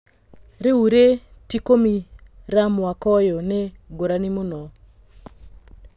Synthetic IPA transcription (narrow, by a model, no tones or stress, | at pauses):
ɾeuɾetikomiɾamakɔjɔneɡoɾanimonɔ